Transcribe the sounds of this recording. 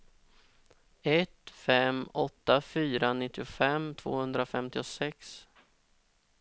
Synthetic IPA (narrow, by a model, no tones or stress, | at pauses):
ɛt̪fɛmɔt̪ːafyːɾanɪt̪ːɪʊfɛmt̪ʰv̥o̰ːhɵnd̪ɾafɛmt̪ɪʊsɛks